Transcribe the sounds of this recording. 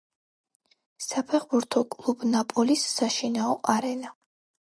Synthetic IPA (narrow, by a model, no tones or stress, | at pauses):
sapʰɛχbuɾt̪ʰɔkʼlˠubnapʼɔlisːaʃinaɔʔaɾɛna